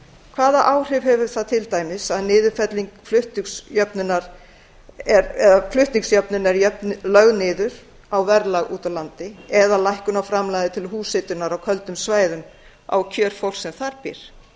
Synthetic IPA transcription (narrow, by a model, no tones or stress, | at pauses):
kʰvaːðaʔaːwr̥ʏvɦɛvʏɾ̥θaðt̪ʰɪlt̪aːjmɪsaðnɪːðʏ̥fɛt̪liŋkflʏht̪isjœpnʏnːaɾ | ɛɾɛðaflʏht̪niŋksjœpnʏnɛɾjœpnlœɣnɪːðʏɾ̥ | awvɛɾlaɣṵːt̪alant̪ɪɛðalajhkʏnafɾamlajðɪt̪ʰɪlɦuːsɪt̪ʏnaɾawkʰœlt̪ʏmsvaːjðʏm | a̰wcʰœːɾ̥fowl̥sːɛmθaɾpɪ̰ɾ̥